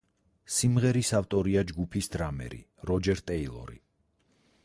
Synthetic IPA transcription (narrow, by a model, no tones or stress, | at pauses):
simʁɛɾisaft̪ʼɔɾiad͡ʒɡupʰisd̪ɾamɛ̰ɾḭ | ɾɔd͡ʒɛɾt̪ʼɛilˠɔ̰ɾḭ